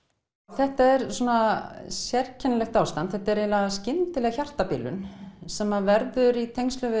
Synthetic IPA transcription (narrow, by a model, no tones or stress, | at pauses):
θɛht̪aɛɾswɔːnasjɛr̥cʰɛnalɛxt̪aːwst̪ant̪θɛht̪aɛɾɛlaɣscɪnt̪ɪlɛɣaçjar̥t̪apɪ̰ːlʏ̰nsɛmːavɛɾðʏɾit̪ʰejŋst̪lœvɪ